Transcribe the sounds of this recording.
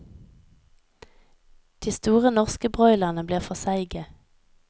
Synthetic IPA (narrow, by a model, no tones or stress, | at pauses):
d̪̥iːst̪uːʁənɔʁskəbʁœʏlɑʁnəbliːʁfɔsæɪɡə